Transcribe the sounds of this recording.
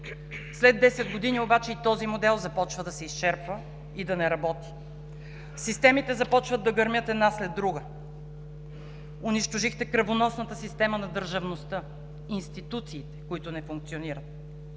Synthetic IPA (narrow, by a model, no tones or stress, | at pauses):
slɛd̪ːɛsɛd̪ɡod̪iniobat͡ʃɛit̪ɔzimod̪ɛlˠzɐpɔt͡ʃvəd̪ɐsɛist͡ʃɛɾpvə | id̪ɐnɛɾɐbɔt̪i̥ | sist̪ɛmit̪ɛzɐpɔt͡ʃvəd̪ːɐɡɐɾmʲjɤt̪ɛd̪naslɛd̪ːɾuɡə | ʊniʃt̪oʒixt̪ɛkɾɐvonɔsnət̪əsist̪ɛmənɐd̪əɾʒɐvnost̪ɤ | inst̪it̪ut̪siːt̪ɛ̥koit̪ʊnɛfuŋk̚t̪sioniɾət̪̚